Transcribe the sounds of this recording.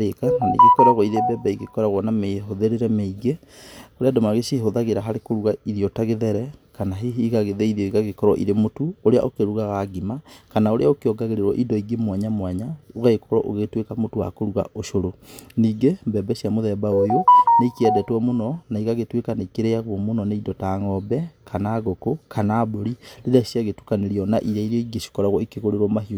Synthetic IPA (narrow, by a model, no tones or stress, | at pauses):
ekananḭɡekɔɾaɣwɔiɾebɛbɛiɣekɔɾaɣwɔnameɦoðeɾeɾɛmeiɡe | oɾeadomaɣeʃeɦoðaɣeɾaɦaɾekoɾuɣaiðiɔtaɣeðɛɾɛkanaɦeiɣaɣeðɛiðiɔiɣaɣekɔɾɔ̰ʔḭɾemotuoɾea̰ʔokeɾuɣaɣaɣimakanaoɾeaokeɔɡaɣeɾeɾwɔ̰ʔidɔiɡemwaɲamwaɲaoɣaekɔɾɔʔoɣetwekamotowa̰koɾuɣa̰ʔoʃoɾoniːɡembɛbɛʃiamoðɛbaojoneikeɛdɛtwɔmonɔnaiɣaɣetwekaneikeɾeaɣwɔmonɔneidɔtaŋɔbɛkʰanaːɣokokʰanaːboɾiɾedasjaɣetukaneɾiɔnaʔiɾaiɾɔiɡeʃo̥kɔɾaɣwɔikeɣoɾeɾwɔmaɦio